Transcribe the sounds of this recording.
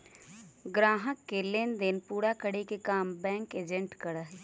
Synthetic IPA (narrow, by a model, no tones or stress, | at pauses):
ɡɾaːɦəkːeleːnd̪ɪnpuːɽakəɽekekaːmbɛ̃ːŋkeːd͡ʒə̃ɳʈkəɽəɦ